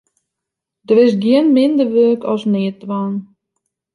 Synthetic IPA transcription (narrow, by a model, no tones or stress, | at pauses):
dərɪsɡiənmɪndərʋøːkʰɔsnɪətʋaːn